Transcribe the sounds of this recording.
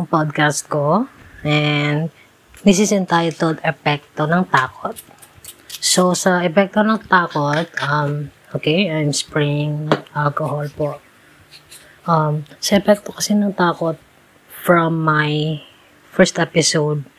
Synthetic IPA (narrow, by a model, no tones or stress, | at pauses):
ɐŋpod̪̚kast̪̚koʔɛnd̪ | mis̬ɪsɛ̃nt̪ajot̪old̪ɛpɛk̚t̪onɐŋt̪aːkot̪̚ | sosɐʔɛpɛk̚t̪onɐŋt̪aːkot̪̚ʔɐmʔoːkejajmspɹijɪŋʔalkoholpoʔ | ʔɐmsɐʔɛpɛk̚t̪okɐsinɐŋt̪aːkot̪̚ | fɹɐmːaj | fɛɹst̪ʔɛpɪsowd̪̚